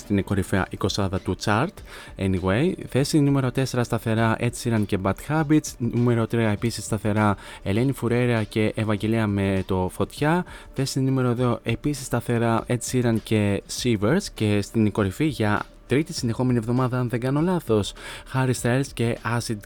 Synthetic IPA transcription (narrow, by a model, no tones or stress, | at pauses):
st̪iniko̞ɾifeɐ̰ʔiko̞sɐðɐt̪ut͡sɐɾt̪ | ḛniɣwejθe̞sinume̞ɾo̞t̪e̞se̞ɾɐst̪ɐθe̞ɾɐʔe̞siɾɐnce̞bɐt̪xɐbit͡snume̞ɾo̞t̪ɾiɐepisisːt̪ɐθe̞ɾɐe̞le̞nifuɾe̞ɾiɐce̞ʔevɐɲɟe̞leɐme̞t̪o̞fo̞t̪çɐθe̞sinume̞ɾo̞eðo̞ʔe̞pisist̪ɐθe̞ɾɐʔe̞t͡siɾɐnce̞siveɾsce̞st̪iniko̞ɾifiʝɐ | t̪ɾit̪isind̪exo̞me̞nievðo̞mɐðɐɐnðeŋɡɐno̞lɐθo̞sxɐɾist̪eɾsce̞ɐsid̪